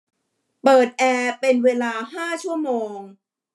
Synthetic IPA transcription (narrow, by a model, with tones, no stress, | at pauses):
pɤː˨˩t̪̚ʔɛː˧pe˧nweː˧laː˧ɦaː˥˩t͡ɕʰu˥˩əmoː˧ŋ